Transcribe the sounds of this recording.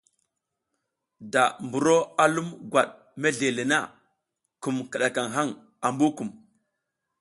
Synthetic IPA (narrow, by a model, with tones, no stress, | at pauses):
da˨mbu˨ɾo˦a˨lu˦mɡwa˨ɗ | me˦ɮe˨le˨na˦˨ | ku˨mkə˨ɗa˨ka˨ŋɦa˦ŋ | a˨mbu˦ku˨m